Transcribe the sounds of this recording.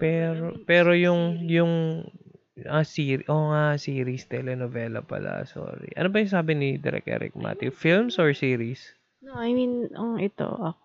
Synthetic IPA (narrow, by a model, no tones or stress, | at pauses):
pɛɾopɛːɾo̞jʊŋjʊŋ | ʔɐsiːɾʔoŋasiːɾist̪ɛlɛnovɛlɐ̰pɐ̰lɐ̰so̰ːɾḭʔɐ̰nobɐjʊŋsaːbɪnid̪ɛ̰ɾɛ̰k̚ʔɛ̰ːɾɪ̰k̚ma̰t̪jʊfilmsʔɔɹsiːɾis | oʔɐjminʔɐŋʔɛt̪o̰ʔɐk